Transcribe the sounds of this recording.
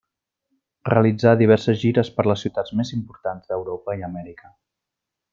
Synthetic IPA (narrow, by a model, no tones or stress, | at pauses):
reəlid͡zaðiβ̞ɛɾsəzʒiɾəspəɾləsːiwt̪ad͡zmezimpuɾt̪anzd̪əwɾopəiəmɛɾikə